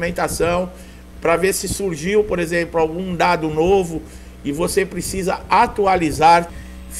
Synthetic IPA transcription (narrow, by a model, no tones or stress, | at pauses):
mẽnt̪asɐ̃w̃ | pɾɐveɾsɪsuɾʒiwpoɾezẽmplʊawɡũd̪ad̪ʊnovʊ | ɪvosepɾesizɐat̪ualizaɾ | f